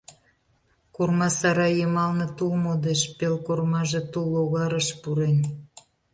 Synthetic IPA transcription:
kurmɑsɑɾɑjemɑlnĕt̪ulmod̪eʃpelkormɑʒe̽t̪ulːoɣɑɾəʃpuɾen

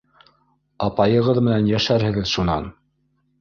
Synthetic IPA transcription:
ɑpɑjɤ̆ʁɤðmɘ̆nænjæʃæɾhɘ̆ɡɘðʃunɑ̰n

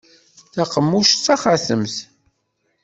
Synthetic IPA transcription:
θæqəmːuʃt͡sːæχaθəmθ

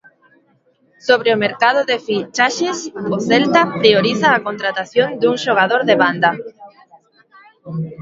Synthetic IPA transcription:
soβɾeʊmeɾkaðʊðefit͡ʃaʃesoθɛlt̪apɾioɾiθaːkont̪ɾat̪aθjond̪uŋʃoɣ̞aðoɾðeβand̪a

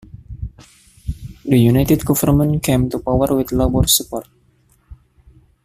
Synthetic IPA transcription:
dəjunajt̪ɛd̪̚ɡɔfərmə̃nkemt̪upawərwit̪lobɔrsupɔrt̪̚

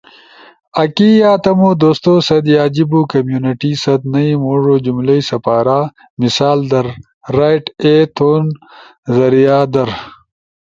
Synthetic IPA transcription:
ɐkijaːt̪ɐmod̪oːst̪oːsɐd̪jaːd͡ʑibuːkɐmjuːniʈisɐd̪nɐimoʐod͡ʑumlɐjsɐpaːɾaː | misaːld̪ɐɾː | aːjʈet̪ʰoːn | zɐɾijaːd̪ɐɾ

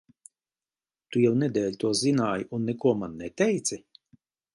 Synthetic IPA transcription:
t̪ujɛwnɛd̪ʲɛːlʲt̪uɔzinaːjunːɛkuɔmanːɛt̪ʲɛjt̪sʲi

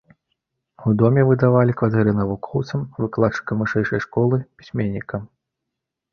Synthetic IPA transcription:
ud̪ɔmʲɛvɨd̪avalʲikvat̪ɛɾɨnɐvukʰɔwt̪sɐmvɨklˠat͡ʂːɨ̥kɐmvɨʂɛjʂɐjʂkɔlˠɨpʲi̥sʲmʲenʲːikɐm

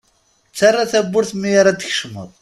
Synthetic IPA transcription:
t͡sːarˤːɑθæbːʊɾθmːijaɾˤad̪əç̥ʃmə̰ðˤ

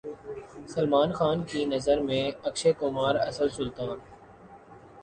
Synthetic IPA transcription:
səlmaːnxaːnkiːnɐzəɾmẽːɐkʃeːkʊmaːɾɐsəlsʊlt̪ãːn

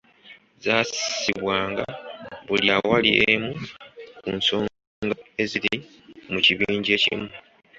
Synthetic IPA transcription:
zaːsiβwaːŋɡaβuljawaliʔemukunso̞ː | ŋɡae̞ziɾi | muciβiːɲɟe̞ːcḭmu

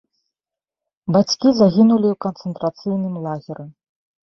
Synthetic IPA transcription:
bat͡sʲkʲizaɣʲinulʲiwkɐnt̪sɨnt̪ɾat̪sɨjnɨmlˠaɣʲiɾɨ

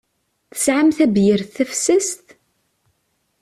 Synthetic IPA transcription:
θə̥sʕamθæbjəɾθæfsəst̪

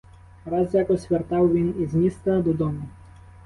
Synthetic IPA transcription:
ɾɑzjakɔsʲʋʲert̪ɑwʋʲinizmʲist̪ɐd̪ud̪ɔmʊ

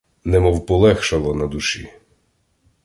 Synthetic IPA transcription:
nɛmɔwpɔlˠɛxʃɐlˠɔnɐd̪uʃḭ

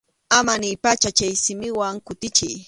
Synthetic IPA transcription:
amanɪjpat͡ʃat͡ʃajsɪmɪwaŋkʊt̪ɪt͡ʃɪj

